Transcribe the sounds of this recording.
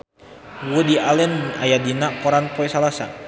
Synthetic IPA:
wudiʔalɛnajadinakɔɾanpoɛsalasa̰

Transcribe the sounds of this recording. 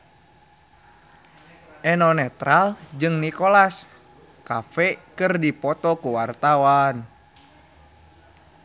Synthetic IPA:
ʔɛnɔnɛt̪ɾald͡ʒɨŋnikolas | kafɛkɨrdipɔt̪ɔkuwart̪awan

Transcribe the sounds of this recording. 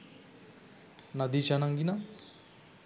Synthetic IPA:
nad̪it͡ʃanaŋɡina

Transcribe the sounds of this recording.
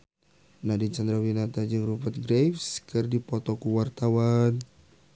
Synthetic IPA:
nadint͡ʃand̪ɾawinat̪ad͡ʒɨŋrupat̪̚ɡɾejfskɨrdipɔt̪ɔkuwart̪awan

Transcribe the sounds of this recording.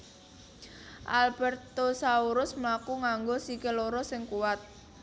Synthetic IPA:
ʔalbɛrt̪osauɾʊsmlakuŋaŋɡosikeloɾɔsɪŋkuwat̪̚

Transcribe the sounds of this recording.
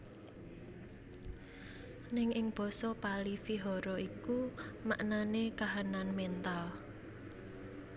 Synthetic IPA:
nɪŋɪŋb̥ɔ̤sɔpalifiɦɔɾɔikuma̰ʔnanekaɦananmɛnt̪al

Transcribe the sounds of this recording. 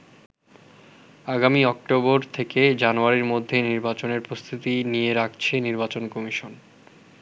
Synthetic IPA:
aɡamiɔk̚ʈoboɾt̪ʰeked͡ʑanuaɾiɾmod̪ʱːeniɾbat͡ɕoneɾpɾost̪ʰit̪inijeɾak̚ʰt͡ɕʰeniɾbat͡ɕonkɔmiʃon

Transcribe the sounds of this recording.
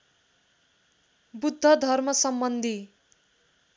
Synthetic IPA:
bud̪ʱːʌd̪ʱʌrmʌsʌmbʌnd̪ʱi

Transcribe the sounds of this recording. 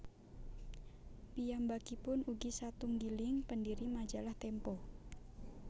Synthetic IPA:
pijambakipʊnuɡisat̪uŋɡilɪŋpəndiɾimḁd͡ʒalaht̪ɛmpɔ

